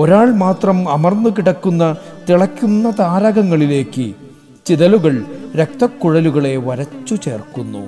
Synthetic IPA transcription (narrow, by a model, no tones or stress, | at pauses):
oɾaːɭmaːt̪rɐmɐmɐrnːukiɽɐkːunːɐt̪iɭɐkʲːunːɐt̪aːɾɐɣɐŋːɐɭile̞ːkːɨ | t͡ɕiðɐluɣɐɭɾek̚t̪ɐkːuɻɐluɣɐɭe̞ʋɐɾɐt͡ɕːut͡ɕe̞̰ːrkunːṵ